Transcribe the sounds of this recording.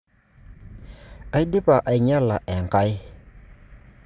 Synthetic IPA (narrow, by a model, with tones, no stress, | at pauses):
a˨ji˦dɪ˦pa˨ʔa˨ɪ˨ɲa˦la˨ʔɛ˨ŋ˨ka˦j